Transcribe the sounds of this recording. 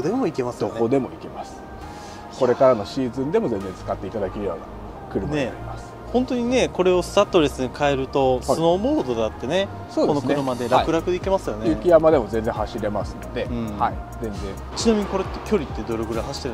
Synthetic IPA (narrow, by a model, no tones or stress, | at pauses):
d̪emo̞ike̞masɨd̪ok̪od̪e̞mo̞ike̞masɨ̥ | ko̞ɾe̞kaɾano̞ɕiːzɨ̃nd̪e̞mo̞zẽ̞nd͡zẽ̞nt͡sɨ̥kat̪ːe̞it̪ad̪akeɾɯ̟jo̰ːna | kɯ̟ɾɯmne̞aimasɨ̥ | hõ̞nt̪o̞ɲ̟ine̞ko̞ɾe̞o̞sɨ̥t̪at̪ːo̞ɾe̞sɨɲikʰae̞ɾɯ̟t̪o̞sono̞ːmoːd̪o̞d̪eat̪ːe̞ne̞ | soːdkonokk̪nɯ̟ɾɯ̟mad̪e̞ɾakɯ̟ɾakɯ̟d̪eike̞masɨjo̞neɯkʲijamad̪e̞mo̞zẽ̞nd͡zẽ̞haɕiɾe̞masɨnod̪e̞ɯ̃haizẽ̞nzẽ̞ | t͡ɕinamʲiɲ̟iko̞ɾet̪ːekʲo̞ɾʲit̪ːe̞d̪o̞ɾeɡɯ̟ɾaɦaɕi̥t̪ːeɾ